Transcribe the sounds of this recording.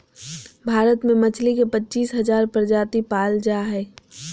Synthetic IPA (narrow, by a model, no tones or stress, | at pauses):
bʱaːɾət̪mẽmət͡ʃʰlikepətːt͡ʃiːsɦɐzaːɾpəɾd͡ʒaːt̪ipaːld͡ʒaɦɛː